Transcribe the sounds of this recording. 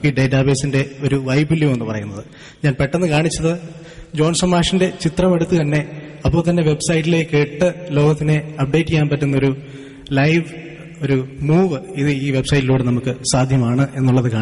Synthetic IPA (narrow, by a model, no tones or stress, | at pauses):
iːɖe̞ːtːaːbe̞ːsinde̞o̞ɾuʋɐjbilːjumenːɨpɐrɐjunːɐðɨ | ɲaːnpeʈːenːɨkaːɳit͡ɕːɐðɨ | d͡ʑo̞ːnsɐmːaːʂinde̞t͡ɕit̪rɐme̞ɽut̪ːɨt̪ɐnːe̞ɐpːoːɭt̪ɐnːe̞ʋe̞bsɐjitːile̞ːke̞ːʈːɨlo̞ːɡɐt̪ːine̞ɐp̚ɖe̞ːtːikʲːaːnpɐtːunːɐo̞ɾu | lɐjʋ | o̞ɾumuːʋɨiðɨiːʋe̞bsɐjtːiluːɽenɐmukːɨsaːd̪ʱjɐmaːɳɨʔe̞nːuɭːɐðɨka̰ːɳi